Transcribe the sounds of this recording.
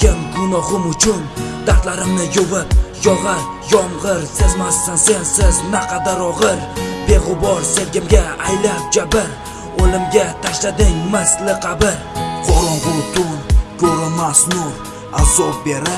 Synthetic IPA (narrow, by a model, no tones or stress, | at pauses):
kʲɪmmʊnɒhʊmʊt͡ʃʰʊnd̪̥aɾt̪laɾɪmnɪjovɪpjɒʁɑɾ | jɒmʁɨɾsɪzmast̪ansensɪznaqʰɑd̪aɾɒʁɨɾbe̞ʁʊbɒɾselɡʲɪmɡʲaajlap̚d͡ʒabɪɾ | olˠɪmɡʲat̪ʰaʃlad̪ɪŋmaslɪqʰabɪɾqʰɒɾɒʁʊt̪ʰʊkʰoɾɪmasnʊɾ | azɒp̚be̞ɾɪ